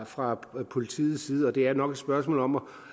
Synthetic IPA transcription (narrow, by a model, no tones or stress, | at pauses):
fʁɑ̈pʰo̝lit͡sʰḭːð̩ˠsiːð̞̩ˠɒ̽d̥e̝æɐnɒ̽ɡ̥ed̥sb̥ɶɐsmɔ̰ːlɒ̽mɒ